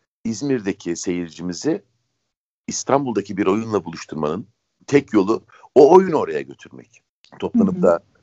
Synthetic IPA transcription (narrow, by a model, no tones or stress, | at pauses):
izmiɾd̪e̞cʰise̞jiɾd͡ʒimizɪ | st̪ʰanbulˠd̪acʰibiɾo̞junlˠabulˠuʃt̪ʰuɾmanɯn | t̪ʰɛcjo̞lˠʊ | oːjuno̞ɾaja̰ɟø̞t̪ʰyɾmɛ̰c | t̪ʰo̞plˠanɯmd̪a